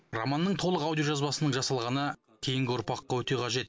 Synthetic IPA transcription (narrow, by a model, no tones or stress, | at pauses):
ro̰mɑnːəɴt̪ʰo̞lˠəqawd̪ijoʒɑzbɑsənəɴʒɑsɑlˠʁɑnə | kʲʰe̞jɪŋɡʲɪʊɾpɑqːɑwɵt̪e̞qʰɑʒe̞t̪̚